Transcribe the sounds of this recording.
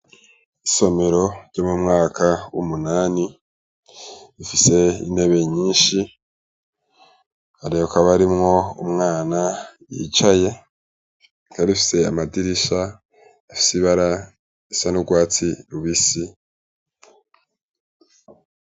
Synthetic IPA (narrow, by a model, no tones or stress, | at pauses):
iso̞me̞ɾo̞ɟ̥o̞mumŋaːkʰawṵmunaːni | ifise̞ḭne̞βe̞ɲiːʃi | haɾijokaβaɾimŋo̞ṵmŋaːnajḭt͡ʃaje̞ | kaɾifi̥se̞amadiɾiʃa | ifi̥siβaɾa | isanuɡwaːt͡siɾuβisi